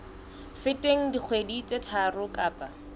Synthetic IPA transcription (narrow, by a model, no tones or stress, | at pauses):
fɪtʼeŋ̩dik͡xʰwedit͡sʼetʰarʊkʼaːpʼa